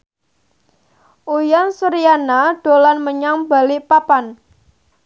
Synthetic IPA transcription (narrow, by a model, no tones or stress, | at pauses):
ʔujansuɾianaɖ̥o̤lanməɲaŋba̤lipapan